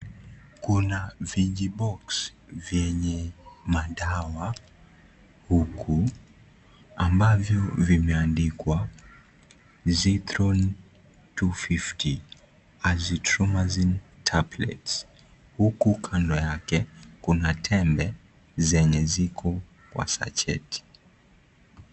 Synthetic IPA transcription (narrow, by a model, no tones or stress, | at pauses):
kunaviʄiɓɔksvjɛɲɛmaɗawa | hukʰu | ambavjɔvimɛandikwa | ziθɾɔn | tufiftʰi | azitɾɔmazintʰablɛ̰ts | hukukʰandɔjakɛkunatʰɛmbɛ | zɛɲɛzikʰɔ | kwa̰sa̰t͡ʃɛ̰tʰi̥